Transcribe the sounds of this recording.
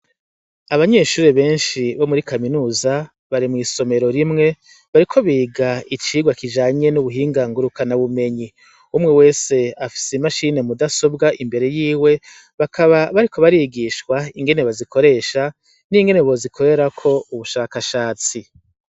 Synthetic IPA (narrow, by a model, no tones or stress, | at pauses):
aβaɲe̞ːʃuːɾeβe̞ːnʃiβo̞muɾikaminuːza | βaɾimŋiːso̞me̞ɾoɾimŋe̞ | βaɾikʰo̞βiːɡait͡ʃiːɡwakid͡ʒaːɲe̞nuβuɦiːŋɡaŋɡuɾukʰanaβume̞ɲi | umŋewe̞ːse̞afi̥semaʃine̞mudaso̞bɡaʔimbe̞ɾe̞jiːwe̞ | βakʰaβaβaɾiko̞βaɾiːɡiʃkwaiŋɡe̞ne̞βaziko̞ɾe̞ːʃa | niŋɡe̞ne̞βo̞zikʰo̞ɾe̞ɾakʰo̞uβuʃaːkaʃaːt͡si